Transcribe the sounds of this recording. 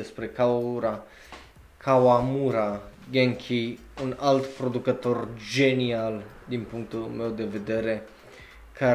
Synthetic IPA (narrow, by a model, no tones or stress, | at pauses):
espɾe̞kaauɾa | kʰawamuɾaɡeŋkʲʰi | unalt̪pɾo̞d̪ukət̪o̞rd͡ʒe̞nial | d̪inpuŋk̚t̪ulme̞wd̪e̞ve̞d̪e̞ɾe̞ | kʰa